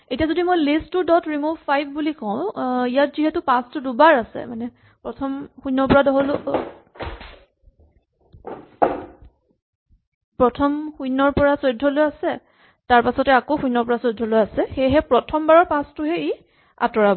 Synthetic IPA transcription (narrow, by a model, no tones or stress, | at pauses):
etijazodimojlisttːʊdɔtɹimuvʱpʰajbʱbulikɔ̃ʊ̃ijat̚ziɦɛtʊpãstʊdubaɹasɛ̰manɛ | pɹɔtʰɔmxujnɔɹpɔɹadɔɦolʊ | pɹɔtʰɔmxujnɔɹpɔɹasojdʱːɔlojasɛ | taɹpasɔtɛakoxujnɔɹpɔɹasojdʱːɔlojasɛxɛjɦɛpɹɔtʰɔmbaɹɔɹpãstʊɦɛi | a̰tɔɹabɔ